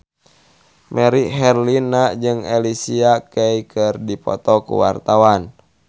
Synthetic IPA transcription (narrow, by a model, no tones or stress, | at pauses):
mʔɛɾiɦɛrlinad͡ʒɨŋɛlisiakeikʰɨrdipɔ̰t̪ɔkṵwart̪awan